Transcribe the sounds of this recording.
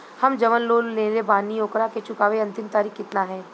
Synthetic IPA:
hɐmd͡ʒɐʋənloːlːẽːlebaːnijoːkɾaket͡ʃʊkaːʋeɐ̃nt̪ɪmt̪aːɾiːkɪt̪naɦɛː

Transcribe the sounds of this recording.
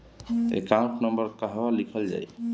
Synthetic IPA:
ḛkãũʈnəmbəɾkaɦbalikʰəld͡ʒa̰j

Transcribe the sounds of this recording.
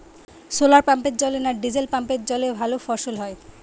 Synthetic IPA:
solaɾpampet̪̚d͡ʑɔlenaɾɖid͡ʑelpampet̪̚d͡ʑɔlebʱalofɔɾʃolɦɔe

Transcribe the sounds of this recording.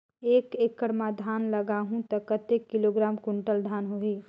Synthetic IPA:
ekekːəɾmad̪ʱanləɡaɦũt̪ɔkət̪ekːiloɡɾaːmkuɳʈəld̪ʱaːnɦoɦi

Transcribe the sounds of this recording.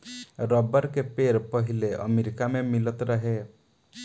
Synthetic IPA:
ɾəbəɾkepeɾpəɦileʔə̰meɾikamemilət̪ɾəɦe

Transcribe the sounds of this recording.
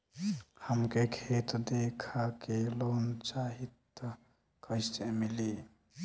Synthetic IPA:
həmkekʰeːt̪d̪eːkʰakeloːnt͡ʃaːɦit̪ː | kəɪst̪emɪli

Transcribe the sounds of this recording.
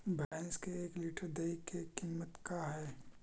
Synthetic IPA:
bʱɛnskeeːkliːʈəɾd̪eikːekiːmːət̪kaɦɛː

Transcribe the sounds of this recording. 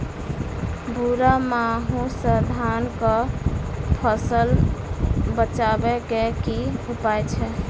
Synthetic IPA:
buɾamaɦũsəd̪ʱankə | pʰəsəl | bət͡ʃabɛkekiɦupajt͡ʃʰɛ

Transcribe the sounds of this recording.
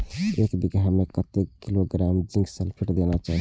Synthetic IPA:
ekbiɡɾɦamekət̪ekiloɡɾamd͡ʒĩŋɡsəlpʰiʈd̪enat͡ʃaɦ

